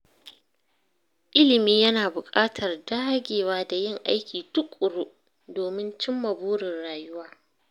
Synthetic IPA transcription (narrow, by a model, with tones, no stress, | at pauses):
ʔɪ˦lɪ˨miː˦jɐ˦naː˨bʊ˨kʼaː˦tʰɐ˨rdaː˦ɡʲeː˨waː˦da˨jɪ˦ŋʔa̰˦jkʲiː˨tʊ˦kʷʼʊ˨ɽu˦ʔ | doː˨mɪ˦nt͡ʃɪ˦mːɐ˨buː˦ɽɪ˨rɽaː˨jʊ˦waː˦